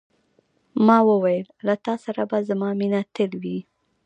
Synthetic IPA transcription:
mɑwəwajəllat̪ɑsaɾabazamɑminat̪əlwi

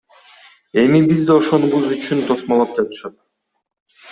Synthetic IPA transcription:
e̞mibizd̪eo̞ʃo̞nuβuzyt͡ʃʰynt̪ʰo̞smɑlˠɑp̚d͡ʒɑt̪ɯ̥ʃɑt̪̚

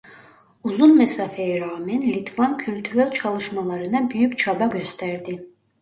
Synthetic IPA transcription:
uzunmɛsafɛjiɾaːmɛnlʲit̪ʰvancʰylʲt̪ʰyɾælʲt͡ʃʰɑlˠɯʃmalˠɑɾɯnɑbyjycʲt͡ʃʰabaɟø̞st̪ʰæɾd̪i

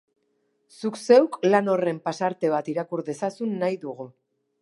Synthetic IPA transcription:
sukse̞wklano̞re̞mpasaɾt̪e̞β̞at̪iɾakuɾðe̞sasunːajðuɣ̞u

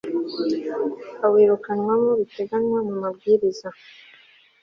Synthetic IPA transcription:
aweːɾukanwamoβite̞ɡanwamumabɡiːɾiza

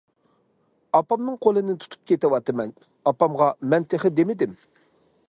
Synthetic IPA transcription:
ɑpɑmnɨŋqʰolˠɨnɪt̪ʰu̥t̪ʰu̥p̚kʲʰet̪ɪwɑt̪ɨmɛn | ɑpɑmʁɑmɛnt̪ʰeχɪd̪emɪd̪ɪm

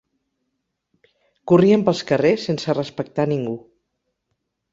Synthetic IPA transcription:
kuriəmpəlˠskəresensərəspək̚t̪aniŋɡu

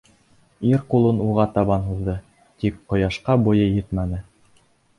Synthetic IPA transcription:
iɾqulˠɤnuʁɑt̪ɑβɑnɦuðd̪ɤ | t̪ikqŏjɑʃqɑbŭjɤjɘt̪mænɘ

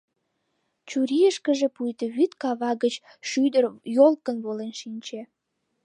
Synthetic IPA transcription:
t͡ɕuɾiəʃkəʒepujt̪əβyt̪kɑβɑɡət͡ɕ | ʃyd̪ərjolkənβolenʃinʲt͡ɕe

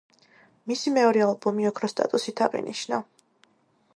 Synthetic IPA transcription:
misimɛɔɾɛalˠbɔmiɔkʰɾɔst̪ʼa̰t̪ʼusit̪ʰaʁḭniʃna

